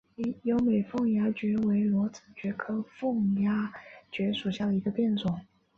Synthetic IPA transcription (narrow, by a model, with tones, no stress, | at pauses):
jo˧˥ʊme˨˩ɪfʊ˥˩ŋja˥t͡ɕɥɛ˧˥we˧˥ɪlwɔ˧˥t͡s̩ʰ˨˩t͡ɕɥɛ˧˥kʰɤ˥fʊ˥˩ŋja˥t͡ɕɥɛ˧˥ʂu˨˩ɕja˥˩d̪ə˩i˧˥ɡə˧pjɛ˥˧nt͡swʊ˨˩˦ŋ